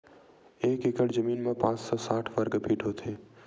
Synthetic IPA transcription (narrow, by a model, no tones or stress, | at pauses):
eːkekəɽd͡ʒəmiːnmẽpãːt͡ʃsɔːsaːʈʰʋəɾɡpiːʈʰot̪ʰeː